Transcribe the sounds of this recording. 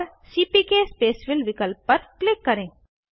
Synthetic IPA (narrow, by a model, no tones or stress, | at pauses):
ɾ | siːpikespeːsʋɪlʋɪkəlpːɐɾklɪkːɐɾẽː